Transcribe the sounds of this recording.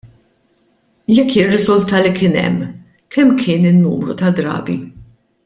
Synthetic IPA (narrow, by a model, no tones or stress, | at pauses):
jɛkːjɪrːɪzʊlt̪ɐlikɪːnɛ̰mː | kʰɛmːkʰɪːnɪnːṵːmɾut̪ɐd̪ɾɐ̰ːbḭ